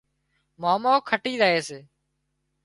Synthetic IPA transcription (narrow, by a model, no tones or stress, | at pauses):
maːmoːkʰəʈiːzaːeːseː